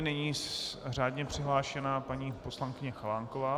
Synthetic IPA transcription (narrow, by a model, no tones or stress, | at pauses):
nɛɲiːraːdɲɛpr̝̥ɪɦlaːʃɛnaːpaɲiːpo̞slaŋkɪɲɛxalaːŋkovaː